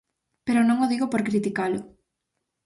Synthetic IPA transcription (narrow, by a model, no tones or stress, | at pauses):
peɾʊnõŋʊðiɣopoɾkɾit̪ikalʊ